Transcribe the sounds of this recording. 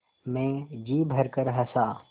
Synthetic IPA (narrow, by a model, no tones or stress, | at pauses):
mẽːd͡ʒiːbʱɐɾkəɾɦɐsaː